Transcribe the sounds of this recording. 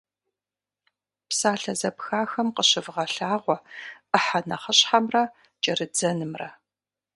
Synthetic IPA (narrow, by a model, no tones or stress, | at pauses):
psaːɬɐzɐpxaːxɐmqəɕɪvʁɐɬaːʁʷɔəħɐnɐχəɕħamrɐ | t͡ʃʼɐrɨd͡zɐnɨmrɐ̰